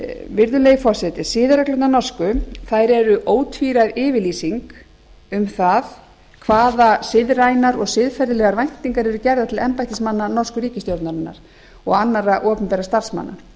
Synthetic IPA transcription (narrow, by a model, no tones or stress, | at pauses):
vɪɾðʏlejɣfɔr̥sɛt̪ɪsɪːðaɾaklʏt̪nanɔr̥skʏθajɾɛɾʏʔoːwt̪ʰviɾajðɪːvɪliːsiŋk | ʏmθað | kʰvaːðasɪðrajnaɾɔɣsɪðfɛɾðɪlɛːɣaɾvajn̥t̪iŋkaɾɛɾʏcɛɾðat̪ʰɪlɛmpajht̪ɪsmanːanɔr̥skʏɾiːcɪst̪jowɾt̪naɾɪnːa̰ɾ̥ | ɔɣanːaɾaʔɔːpʏnpɛːɾast̪ar̥sma̰nːa̰